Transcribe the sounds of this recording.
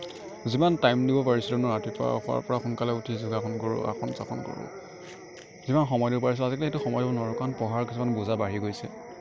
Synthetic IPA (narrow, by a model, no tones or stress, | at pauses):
zimantajmdibɔpaɹisɛlɔnɔatipɔa̰xʊa̰ɹpɔɹaxunkalɛutʰizuɡakʰɔnkɔɹṵa̰xʰɔnsa̰kʰɔnkɔ̰ɹṵ | zimanxɔmɔjdibɔpaɹis̬ɛazikɛlɛxetuxɔmɔjdibɔnɔɹɔkanpɔɦaɹkisumanbuzabaɦiɡojsɛ̰